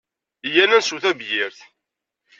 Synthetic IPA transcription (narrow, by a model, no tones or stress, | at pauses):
jænænsuθæbjɪɾθ